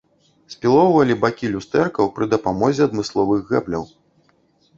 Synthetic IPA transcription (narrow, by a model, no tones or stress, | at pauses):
sʲpʲilˠɔwvɐlʲibakʲilʲust̪ɛrkɐwpɾɨd̪ɐpamɔzʲɛɐd̪mɨslˠɔvɨɣɣɛblʲɐ̰w